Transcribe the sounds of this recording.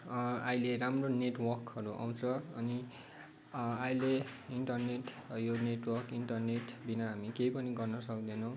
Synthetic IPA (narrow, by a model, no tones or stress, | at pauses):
ajleɾamroneʈwʌrkʌɾuʔa̰w̃t͡sʰʌʌni | ajleiɳʈʌrneʈ | joneʈwʌrkiɳʈʌrneʈbinaɦamikejpʌniɡʌrnʌsʌkd̪enʌw̃